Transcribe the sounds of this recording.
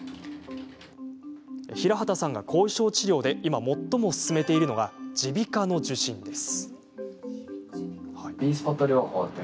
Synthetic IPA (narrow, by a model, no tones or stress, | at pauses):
eçiɾaɦat̪asãŋɡa̰kʰo̞ːiɕo̞ːt͡ɕiɾʲo̞ːd̪e̞imamo̞t̪ːo̞mosɨ̥sɨme̞t̪e̞iɾɯ̟no̞ɡad͡ʑibʲikano̞d͡ʑɨɕĩnd̪e̞sɨ̥ | iːsɨ̥ot̪ːoɾjohoː